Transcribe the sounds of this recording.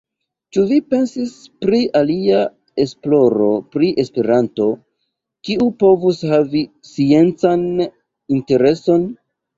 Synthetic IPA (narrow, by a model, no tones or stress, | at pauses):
t͡ʃuvipe̞nsispɾiʔalia | e̞splo̞ɾo̞pɾiʔe̞spe̞ɾanto̞ | kiupo̞vushavi | sie̞nt͡san | inte̞ɾe̞so̞n